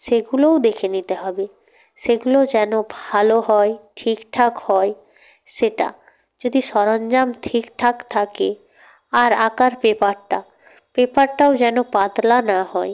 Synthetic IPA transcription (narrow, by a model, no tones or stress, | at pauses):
ʃeɡulowd̪ekʰenit̪eɦɔbe | ʃeɡulod͡ʑɛnobʱaloɦɔeʈʰikʈʰakhɔe | ʃeʈa̰ | d͡ʑod̪iʃɔɾond͡ʑamtʰikʈʰakt̪ʰake | aɾakaɾpepaɾʈa | pepaɾʈaod͡ʑɛnopad̪lanaɦɔe